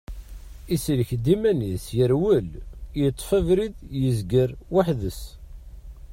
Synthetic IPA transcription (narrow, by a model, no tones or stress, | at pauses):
islçd̪imænisjəɾwəljət̪ˤːfəvɾiðjəzɡəɾwaħðəs